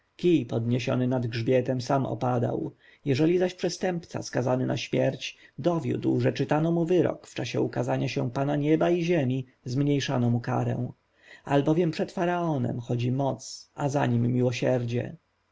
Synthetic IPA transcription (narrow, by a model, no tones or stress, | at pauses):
kʲipɔd̪ɲeɕɔ̰nɘnad̪ɡʐbʲjɛt̪ɛmsamɔ̰pad̪a̰w | jɛʐɛlʲizaɕpʂɛst̪ɛmpt̪sa̰skazanɘnʔaɕmʲjɛɾt͡ɕd̪ɔvʲjṵd̪wʐɛt͡ʂɘt̪anɔmuvɘɾɔ̰kft͡ʂaɕɛ̰ukazaɲaɕɛw̃panaɲɛbaiʑɛmʲi | zmɲejʂanɔmuka̰ɾɛ̰̃w̃ | albɔvʲjɛmpʂɛt̪faɾaɔnɛ̰mxɔd͡ʑimɔt̪sazaɲimːʲiwɔɕɛɾd͡ʑɛ̰